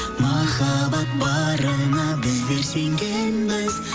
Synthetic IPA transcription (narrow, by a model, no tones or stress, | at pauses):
mɑχɑbɑt̪̚bɑɾənɑbɪzb̪eɾseŋɡenbɪz